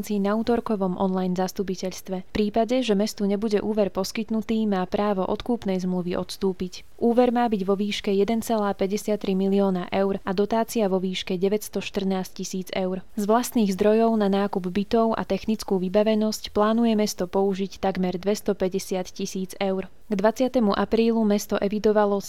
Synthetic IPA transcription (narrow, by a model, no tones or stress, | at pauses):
nt͡sinauːt̪ɔɾkɔʋɔmʔɔ̰nlajnzast̪up̬icɛʎst̪ʋɛfpɾiːpaɟɛʒɛmɛst̪uɲɛbuɟɛʔuːʋɛɾpɔskit̪nut̪iːmaːpɾaːʋɔʔɔt̪kuːpnɛjzmluʋiʔɔt̪st̪uːpic | ʔuːʋɛɾmaːbiɟʋɔʋiːʃkɛjɛd̪ɛnt͡sɛlaːpɛɟɛsɪat̪ːɾimiliɔːnaʔɛʊɾad̪ɔt̪aːt͡siaʋɔʋiːʃkɛɟɛʋɛcst̪ɔʃt̪r̩naːsccisiːd͡zɛʊɾzʋlast̪niːɣzd̪ɾɔjɔʊnanaːkubbit̪ɔʊʔa̰t̪ɛxnit͡skuːʋibaʋɛnɔscplaːnujɛmɛst̪ɔpɔuʒict̪aɡmɛɾd̪ʋɛst̪ɔpɛɟɛsɪat̪cisiːd͡zɛʊɾ | ɡd̪ʋat͡sɪat̪ɛmuʔapɾiːlumɛst̪ɔʔɛʋid̪ɔʋalɔ